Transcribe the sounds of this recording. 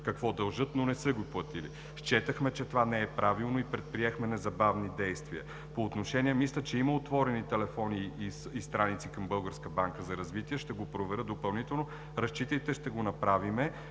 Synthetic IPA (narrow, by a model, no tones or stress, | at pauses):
kɐkvɔd̪ɐlˠʒɤt̪nonɛsəɡoplˠɐt̪ilḭ | ʃt͡ʃɛt̪əxmɛt͡ʃɛt̪ovanɛɛpɾavilˠnoipɾɛt̪̚pɾiɛxmɛnɛzɐbavnid̪ɛjst̪viə̰ | poːt̪noʃɛniɛmislʲət͡ʃɛiməot̪vɔɾɛnit̪ɛlɛfɔniist̪ɾanit̪sikɐmbɤlˠɡəɾskəbaŋkəzɐɾɐzvit̪iɛʃt̪ɛɡopɾovɛɾəd̪d̪opɐlˠnit̪ɛlˠno | ɾɐʃt͡ʃit̪əit̪ɛʃt̪ɛɡonɐpɾavimɛ